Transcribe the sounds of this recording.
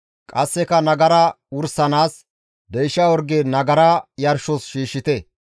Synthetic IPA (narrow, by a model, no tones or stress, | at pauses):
kʼɐsːɛkɐnɐɡɐɾɐ | ʊɾsɐnaːs | d̪ɛjʃːɐwɔɾɡenɐɡɐɾɐjɐɾʃɔsʃiːʃɪt̪ɛ